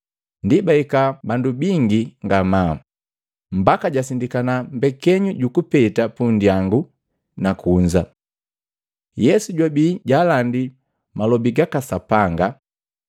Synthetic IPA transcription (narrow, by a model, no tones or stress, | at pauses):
ndibaikabandubiŋɡiŋɡama | m̩bakaɟasindikanambɛkɛɲuɟukupɛtapundiaŋɡu | nakuɲd͡ʒa | jɛsuɟwabiːɟaːlandi | malɔbiɡakasapaŋɡa